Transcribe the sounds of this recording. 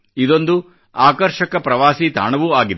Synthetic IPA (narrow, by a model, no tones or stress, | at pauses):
id̪o̞nd̪u | aːkɐɾʃɐkɐpɾɐʋaːsit̪a̰ːɳɐʋuaːɡid̪e